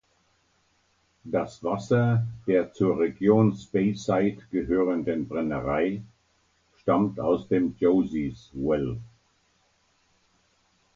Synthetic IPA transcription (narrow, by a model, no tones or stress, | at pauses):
d̥asv̥asɐd̥eːɐt͡suːɐʁeɡjoːnspeɪsaɪtɡ̥əɦøːʁəndənbʁɛnəʁaɪ | ʃtamtʰaʊsd̥eːmd͡ʒoziswɛl